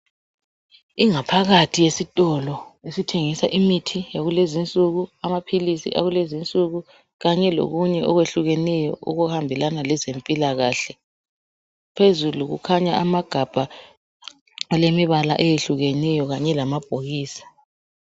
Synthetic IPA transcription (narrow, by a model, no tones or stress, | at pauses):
iŋapʰaɣatʰijesitʼɔlɔesitʰeŋisaʔimitʰijaɣulezint͡sʼuɣuamapʰilisḭʔa̰ɣulezint͡sʼuɣu | ɣaɲɛlo̰ɣuɲɛʔɔɣweɬuɣɛnɛjɔ̰ṵɣuhambʱilanalɛzempʼilaɣaɬɛ | pʰezuluɣṵkʰaɲaʔamaɡ̥ʱab̥ʱa | alemiβala̰ʔɛjeɬuɣɛnɛjɔɣaɲɛlamab̥ʱoɣiːsḁ